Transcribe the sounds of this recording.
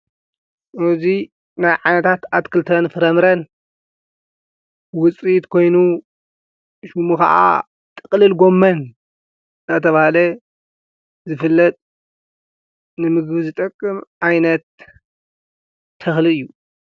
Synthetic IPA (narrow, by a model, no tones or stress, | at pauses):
uzi | najʕanɐt̪ʰat̪at̪kʰɨlt̪ʰɐnfɨɾɐmɾɐn | wʊt͡sʼit̪kʰo̞jnu | ʃumuka̰ʔa̰ | t̪ʼɨkʼlɨlɡo̞mːɐn | zɐt̪ʰɐβahalɐ | zɨfɨlːɐt̪ʼ | nɨmɨɡβzɨt̪ʼɐkʼːɨmʔajnɐt̪ | ɐxlɨɨjːu